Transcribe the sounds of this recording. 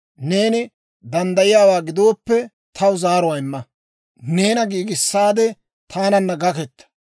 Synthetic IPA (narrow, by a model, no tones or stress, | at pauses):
ne̞ːnɪ | d̪ɐnd̪ɐjɪjaːwaːɡɪd̪o̞ːpːɛ | t̪ʰɐwʊzaːɾɔwaɪmːɐ | ne̞ːnɐɡiːɡɪsːaːd̪ɛ | t̪ʰaːnɐnːɐɡɐkɛt̪ːɐ̥